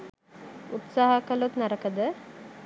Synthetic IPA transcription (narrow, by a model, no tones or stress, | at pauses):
ut̪saːɦɐkɐlot̪nɐɾɐkəd̪ə